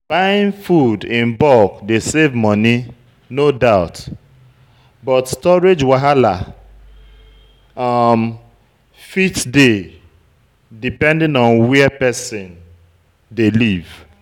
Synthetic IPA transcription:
b̥aɪɪ̃nfudɪ̃mbɔkdesevmɔni | nodaʊt | bɔtstɔɹed͡ʒwaɦala | m | fitde | dipɛ̃ndɪ̃nɔ̃nwɛpɛsɪ̃n | deliv

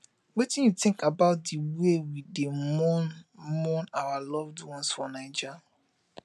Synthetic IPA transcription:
wetɪ̃njutɪ̃ŋkabaʊt̚diwewidemɔnmɔnawalɔvdwɔ̃nsfɔnaɪd͡ʒa

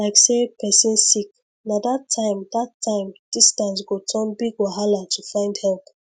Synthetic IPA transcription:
laɪksepɛsĩnsik | nadatʰːãɪ̃mdatʰːãɪ̃md̥istãns̬ɡotʰɔnbiɡwaɦalatufãɪ̃ndhɛlp

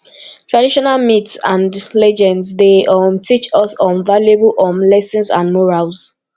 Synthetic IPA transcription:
tʰɹadiʃɔnalmitsãndlɛd͡ʒɛ̃ndsdeɔmtʰit͡ʃɔsɔ̃nvaljeblʔɔ̃nlɛsɔ̃nsã̰nmɔɹals

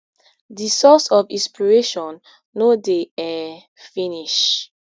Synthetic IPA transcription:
disɔsɔvĩspiɹeʃɔ̃nː | odeɛ | fĩniʃ

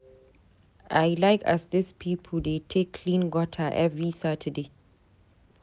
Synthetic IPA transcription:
ʔaɪlaɪka̰sdɪspʰiːpʰəl̩detʰekʰːlĩnɡɔtʰəʔɛvɹisatʰəde

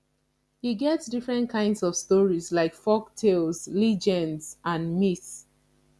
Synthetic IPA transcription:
hiɡɛtsdifɹɛ̃nt̚kʰãɪ̃ndsɔv̥stɔɹizlaɪkfɔk̚tʰelzlid͡ʒɛ̃ndzãnmits

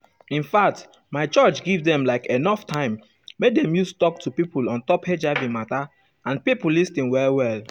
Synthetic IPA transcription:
ĩnfak̚t | maɪt͡ʃɔt͡ʃɡivdɛ̃mlaɪkenɔftʰãɪ̃m | wedɛ̃mjustɔktʰupipulɔ̃ntɔphed͡ʒavĩmata | ãnpipulːistĩnwɛlwɛl

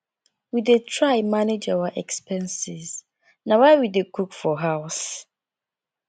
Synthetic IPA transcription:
widetʰɹaɪmaned͡ʒawaʔɛkspɛ̃nsɪz | nãwaɪwidekʰukfɔɦaʊs

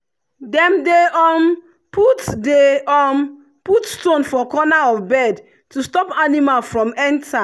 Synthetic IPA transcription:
dɛ̃mdeɔn | pʰutdeɔn | putstõnfɔkɔnaɔfbɛd | tustɔpanimalfɹɔ̃mɛ̃ntʰa

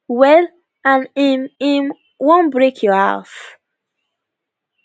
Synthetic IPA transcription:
wɛl | ãnimim | wõnbɹekʰjɔha̰s

